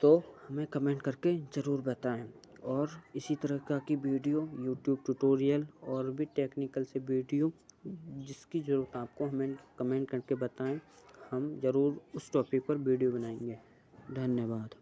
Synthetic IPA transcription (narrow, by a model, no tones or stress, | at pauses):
t̪oːhɐmẽkɐmẽːɳʈkɐɾked͡ʒɐɾuːɾbɐt̪aːẽ | ɔːɾɪsit̪ɐɾəɦkakiʋiːɖijojuːʈjuːb̚ʈuʈoːɾijəlɔːɾbʱiʈeːknɪkəlseʋiːɖijo | d͡ʒɪskid͡ʒɐɾuːɾət̪aːp̚koɦɐmẽkɐmẽːɳʈkɐɾkebɐt̪aẽhɐmzɐɾuːɾʊsʈɔːpɪk̚pɐɾʋiːɖijobɐnaːẽːŋɡeː | d̪ʱɐnjəbaːd̪